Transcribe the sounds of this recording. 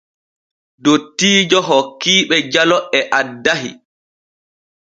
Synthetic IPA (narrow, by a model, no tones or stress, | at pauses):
dotːiːd͡ʒɔɦɔkːiːɓɛd͡ʒalɔɛʔadːaɦḭ